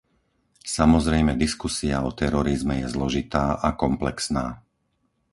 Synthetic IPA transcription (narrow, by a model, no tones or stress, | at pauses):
samɔzɾɛjmɛd̪iskusiaɔt̪ɛɾɔɾizmɛjɛzlɔʒit̪aːʔakɔmplɛksnaː